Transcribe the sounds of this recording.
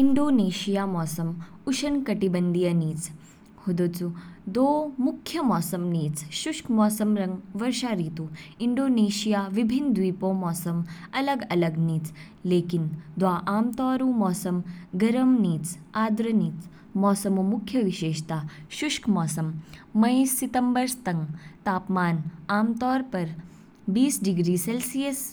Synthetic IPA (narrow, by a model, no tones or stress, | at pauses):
iɳɖoːneːɕijaːmɔːsɐm | uʃɐnkɐʈibɐnd̪ijɐniːt͡s | hud̪ot͡sud̪oːmukʰjɐmɔːsɐmniːt͡sʃuʂkʰmɔːsɐmɾɐŋɡʋɐɾʃaːɾiːt̪uiɳɖoːneːɕijaːʋibʱind̪ʋiːpoːmɔːsɐmɐləɡɐlɐɡniːt͡s | leːkind̪ʋaːʔaːmt̪ɔːɾuːmɔːsɐmɡɐɾɐmniːt͡s | aːd̪ɾɐniːt͡s | mɔːsɐmumukʰjɐʋiʃeːʃt̪aːʃuʃkʰmɔːsɐmːɐjsit̪ɐmbɐɾst̪ɐŋɡt̪aːpmaːnaːmt̪ɔːɾpɐɾ | biːsɖiɡɾiːselsijɐs